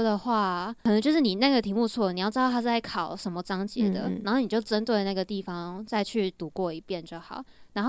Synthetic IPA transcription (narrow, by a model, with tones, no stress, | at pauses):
d̪ə˨xwa˥˩ə˨˩nə˧˥t͡ɕo˥˧ʊʂɻ̩˥˩ni˨˩na˥˩ɡə˩t̪ʰi˧˥mu˥˧t͡sʰwɔ˥˩ni˨˩jʊʈ͡ʂɻ̩˥dɑ˥˧ʊa˥t͡sa˥˩ɪkʰɑ˨˩˦ʊʂə˧˥nmə˧t͡sɑ˥ŋt͡ɕjɛ̰˧˥d̪ə̰˧na˧˥nxo˥˩ʊni˨˩jo˥˩ʊʈ͡ʂə˦nt̪we˥˧ɪ˦na˥˩ɡə˩t̪i˥˩fɑ˦ŋt͡sa˥˧ɪt͡ɕʰy˥˩t̪u˨˧˥kwɔ˥˩i˧˥pjɛ˥˧˨nt͡ɕjo˥˩ʊxɑ˨˩˦ʊna˧˥nxo˥